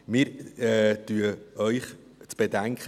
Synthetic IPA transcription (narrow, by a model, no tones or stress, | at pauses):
mɪːɾɛtyəœʏχ | t͡sb̥edæŋkχə